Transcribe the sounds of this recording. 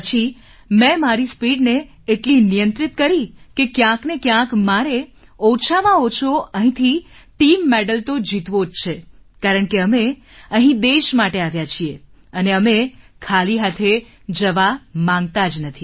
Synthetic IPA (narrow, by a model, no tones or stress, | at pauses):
ət͡ʃʰi | mɛ̃maɾispiɖneː | ʈlinijənt̪ɾit̪kəɾikekjãknekjãkmaɾe | ɔt͡ʃʰamãot͡ʃʰoəɦĩt̪ʰi | ʈimːɛɖəlt̪od͡ʒit̪ʋod͡ʒt͡ʃʰe | kaɾəɳkeəme | əɦĩd̪eʃmaʈeaʋjat͡ʃʰie | əneəmekʰaliɦat̪ʰe | d͡ʒəʋamãŋɡt̪ad͡ʒnət̪ʰi